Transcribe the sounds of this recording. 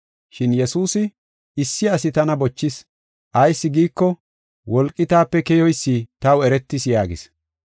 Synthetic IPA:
ʃɪnjɛsuːsɪ | ɪsːɪɐsɪt̪ɐnɐbɔt͡ʃːɪs | ʔɐjsːɪɡiːkːɔ | wɔlkʼːɪt̪aːpːɛkɛjɔjsːit̪ɐwɛɾɛt̪ːɪsjaːɡɪ̰s

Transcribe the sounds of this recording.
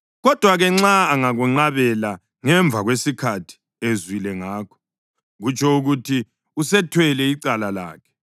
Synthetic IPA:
ɣɔd̥ʱwaɣɛŋ͡ǁaːŋaɣuŋ͡ǀaβɛla | ŋɛɱb̪vʱaɣwesikʰatʰi̥ | ezwilɛŋaːkʰɔ̥ | ɣut͡ʃʰɔuɣutʰi | usɛtʰwɛlɛiǀalala̰ːkʰɛ̥

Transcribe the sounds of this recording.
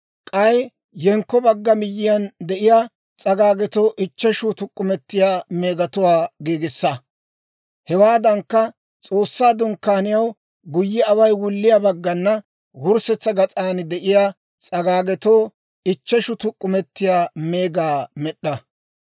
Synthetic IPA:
kʼɐj | jɛŋkːɔbɐɡːɐmɪjːɪjɐnd̪ɛʔɪjaː | t͡sʼɐɡaːɡɛt̪oːʔɪt͡ʃːɛʃʊt̪ʊkʼːʊmɛt̪ːɪjaːmeːɡɐt̪ʊwaːɡeːɡɪsːɐ | hɛwaːd̪ɐŋkːɐ | t͡sʼo̞ːsːaːd̪ʊŋkːaːnɪjɐw | ɡʊjːɪɐwɐjwʊlːɪjabɐɡːɐnːɐ | wʊɾsɛt͡sːɐɡɐt͡sʼaːnd̪ɛʔɪjaː | t͡sʼɐɡaːɡɛt̪oː | ɪt͡ʃːɛʃʊt̪ʊkʼːʊmɛt̪ːɪjaːmeːɡaːmɛɗːɐ

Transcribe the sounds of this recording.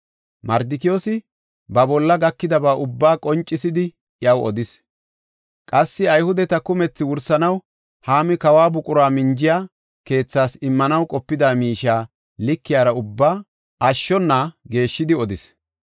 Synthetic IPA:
mɐɾd̪ɪkɪjoːsɪ | bɐbɔlːɐɡɐkːɪd̪ɐbaːʔʊbːaːkʼɔnt͡ʃʼːɪsɪd̪ɪ | jɐwɔd̪ɪs | kʼɐsːɪɐjhʊd̪ɛt̪ɐkʊmɛt͡sːɪwʊɾsɐnɐw | haːmɪkɐwaːbʊkʼʊɾaːmɪnd͡ʒɪjaː | ke̞ːt͡sːaːsɪmːɐnɐwkʼɔpːɪd̪aːmiːʃaː | lɪkːɪjaːɾɐʊbːaː | ʔɐʃːɔnːaɡe̞ːʃːɪd̪ɪɔd̪ɪs

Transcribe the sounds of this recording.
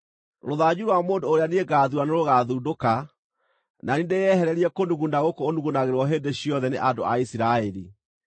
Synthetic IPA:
ɾoðaɲuɾwamoːndoːɾeaneeɡaːðuaneɾoɣaðuːdoka | nanindejɛhɛɾɛɾiɛkonuɣunaɣokoːnduɣunaɣeɾwɔɦeːndeɕijɔðɛneʔando̰a̰isiɾaɛɾḭ

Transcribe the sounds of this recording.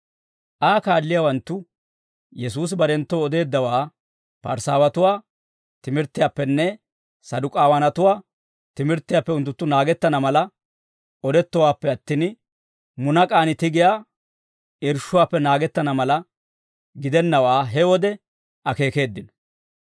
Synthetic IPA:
ʔaːkaːlːɪjaːwɐnt̪ːʊ | jɛsuːs̬bɐɾɛnt̪ːoɔd̪e̞ːd̪ːɐwaː | pɐ̰ɾsaːwɐt̪ʊwaː | t̪ɪmɪɾt̪ːɪjapːɛnːɛ | sɐd̪ʊkʼaːwɐnɐt̪ʊwaː | t̪ɪmɪɾt̪ːɪjaːpːɛʊnt̪ːʊt̪ːʊnaːɡɛt̪ːɐnɐmɐlɐ | ɔd̪ɛt̪ːɔwaːpːɛɐt̪ːin | mʊnɐkʼaːnɪt̪ɪɡɪjaː | ɪɾʃːʊwaːpːɛnaːɡɛt̪ːɐnɐmɐlɐ | ɡɪd̪ɛnːɐwaːɦɛwɔd̪ɛ | ʔɐke̞ːke̞ːd̪ːɪn

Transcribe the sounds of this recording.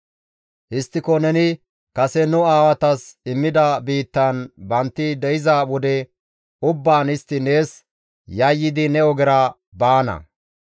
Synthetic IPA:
hɪst̪ːɪkɔnɛnɪ | kɐsɛnʊaːwɐt̪ɐsɪmːɪd̪ɐbiːt̪ːɐnbɐnt̪ːɪd̪ɛjɪzɐwɔd̪ɛ | ʊbːaːnɪst̪ːɪne̞ːs | jɐjːɪd̪ɪnɛɔɡɛɾɐ | baːnɐ̰

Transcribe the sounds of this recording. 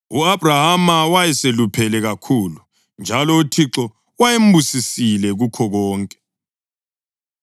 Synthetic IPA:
uabrahamawajɛselupʰɛlɛɣakʰuːlu | nd͡ʒʱalɔutʰiǁɔ | wajem̩busisilɛɣukʰɔɣɔːŋkʼɛ̥

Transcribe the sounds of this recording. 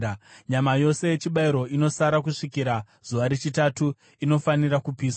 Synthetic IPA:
ɲamajo̞se̞jet͡ʃiɓaiɾo̞ino̞saɾakuʂikiɾa | z̥uʋaɾet͡ʃitatu | ino̞faniɾakupiːsa

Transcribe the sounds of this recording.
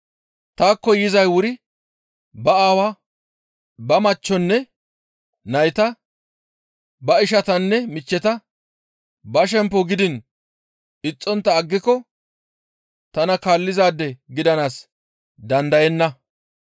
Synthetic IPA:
t̪aːkːɔjɪzɐjwʊɾɪ | bɐaːwaː | bɐmɐt͡ʃːɔnːɛ | nɐjt̪ɐ | bɐɪʃɐt̪ɐnːɛmɪt͡ʃːɛt̪ɐ | bɐʃ̬ɛmpːɔɡɪd̪ɪn | ɪt͡sʼːɔnt̪ːɐːɡːɪkːɔ | t̪ɐnɐkaːlːɪzaːd̪ːɛɡɪd̪ɐnaːs | d̪ɐnd̪ɐjɛnːɐ

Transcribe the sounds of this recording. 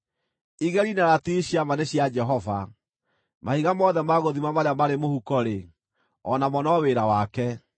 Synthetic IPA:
iɣɛɾinaɾatiɕiamaneɕjad͡ʒɛɦɔva | mahiɣamɔðɛmaɣoðimamaɾeamaɾemohukɔɾe | ɔnamɔnɔweɾawakɛ

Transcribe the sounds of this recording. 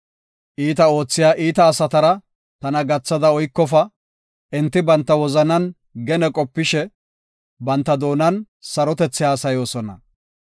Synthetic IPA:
ʔiːt̪ɐo̞ːt͡sːɪjaːʔiːt̪ɐːsɐt̪ɐɾɐ | t̪ɐnɐɡɐt͡sːɐd̪ɐɔjkːɔfɐ | ʔɛnt̪ːɪbɐnt̪ːɐwɔzɐnɐn | ɡɛnɛkʼɔpːɪʃɛ | bɐnt̪ːɐd̪o̞ːnɐn | sɐɾɔt̪ɛt͡sːɪjaːsɐjo̞ːsɔnɐ̰

